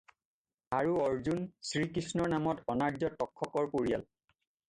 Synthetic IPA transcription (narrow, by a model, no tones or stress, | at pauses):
aɹuɔɹzunsɹikɹisnɔɹnamɔtɔnaɹd͡ʒɔtɔkʰːɔkɔɹpoɹija̰l